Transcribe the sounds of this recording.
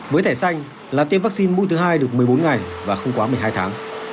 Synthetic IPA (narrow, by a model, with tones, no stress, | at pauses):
vəː˨˦jt̪ʰɛː˧˩sa˧jŋ̟ | laː˨˩t̪e˧mvaː˦˥k̚si˧nmu˧jt̪ʰɨ˨˦ɦaː˧jɗɨ˨˩ək̚mɨ˨˩əjɓo˨˦nŋa˨˩jvaː˨˩xə˧wŋ͡mkwaː˨˦mɨ˨˩əjɦaː˧jt̪ʰaː˨˦ŋ